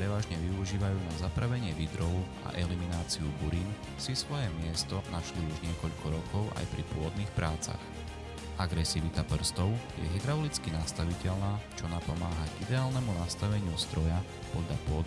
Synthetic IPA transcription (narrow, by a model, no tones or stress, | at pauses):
pɾɛʋaːʒɲɛʋiuʒiːʋajuːnazapɾaʋɛɲɪɛʋid̪ɾɔwʊ | a̰ʔɛliminaːt͡siubuɾiːn | sisʋɔjɛmɪɛst̪ɔnaʃliuʒɲɪɛkɔʎkɔɾɔkʰɔʊʔa̰jpɾipʊɔd̪niːxpɾaːt͡sa̰x | ʔaɡɾɛsiʋit̪apr̩st̪ɔʊjɛ̰ɦɛd̪ɾaɔlit͡skinast̪aʋicɛʎnaːt͡ʃɔnapɔmaːɦaɟid̪ɛaːlnɛmunast̪aʋɛɲɪust̪ɾɔja | pɔd̪ʎapʊɔd̪